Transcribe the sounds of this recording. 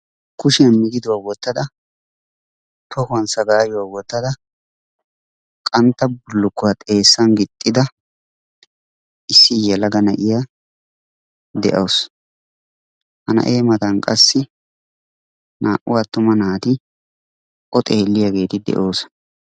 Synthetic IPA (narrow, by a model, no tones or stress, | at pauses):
kʊʃɪɐnmɪɡ̪ɪd̪ʊwaːwɔt̪ːɐd̪ɐ | t̪ʰɔhʊɐnsɐɡaːjʊwaːwɔt̪ːɐd̪ɐ | kʼɐnt̪ːɐbʊlːʊkːʊwat̪ʼe̞ːsːɐnɡɪt̪ʼːɪd̪ɐ | ɪsːɪjɛlɐɡɐnɐʔɪja | d̪ɛ̰ʔows | hɐnɐ̰ʔeːmɐt̪ɐnkʼɐsːɪ | nʔaːʔʊwaːt̪ːʊmɐnaːt̪ɪ | ʔɔt̪ʼeːlːɪjaɡe̞ːt̪ɪd̪ɛ̰ʔo̞ːs